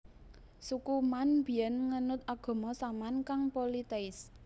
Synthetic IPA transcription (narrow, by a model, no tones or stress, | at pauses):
sukumanb̥i̤jɛnŋənʊt̪̚aɡ̥ɔ̤mɔsamankaŋpolit̪eɪs